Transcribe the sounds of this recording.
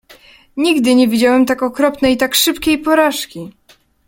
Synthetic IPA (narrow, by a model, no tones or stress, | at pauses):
ɲiɡd̪ɘɲɛvʲid͡ʑawɛmt̪akɔkɾɔpnɛjt̪akʂɘpkʲejpɔɾaʂkʲi